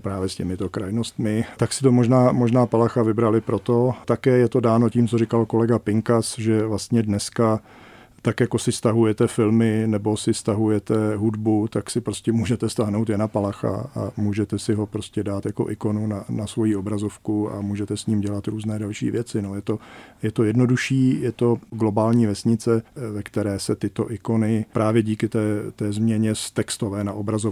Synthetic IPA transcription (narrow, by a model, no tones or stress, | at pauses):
pɾaːvjɛscɛmɪt̪o̞kɾajnost̪mɪt̪aksɪ̥t̪o̞moʒnaːmo̞ʒnaːpalaxavɪbɾalɪpɾot̪o̞t̪akɛːjɛt̪o̞daːno̞ciːmt͡sorɪkalko̞lɛɡapɪŋkasʒɛvlast̪ɲɛdnɛska | t̪akjako̞sɪfst̪aɦujɛt̪ɛfɪlmɪnɛbo̞sɪfst̪aɦujɛt̪ɛɦudbut̪aksɪpɾoscʲɛmuːʒɛt̪ɛfst̪aɦnowt̪jɛnapalaxa̰a̰muːʒɛt̪ɛsɪɦo̞pɾoscɛdaːt̪jako̞̰ʔɪko̞nunanasvo̞jiʔo̞bɾazo̞fkua̰muːʒɛt̪ɛsɲiːmɟɛlat̪ɾuːznɛːdalʃḭːvjɛt͡sɪnojɛt̪o̞jɛt̪o̞jɛdno̞duʃiːjɛt̪o̞ɡlo̞baːlɲiːvɛsɲɪt͡sɛvɛkt̪ɛɾɛːsɛt̪ɪt̪o̞̰ʔɪko̞nɪpɾʔaːvjɛɟiːkɪt̪ɛːt̪ɛːzmɲɛɲɛst̪ɛkst̪o̞vɛːnaʔobɾazo